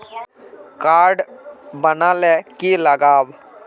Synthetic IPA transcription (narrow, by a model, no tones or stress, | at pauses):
kaːɾɖbənalɛkiləɡaːb